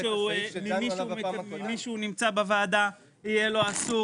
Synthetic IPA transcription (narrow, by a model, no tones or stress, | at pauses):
ʃeuelimiumlimiʃeunimt͡sabevaːd̪a | ijelo̞asu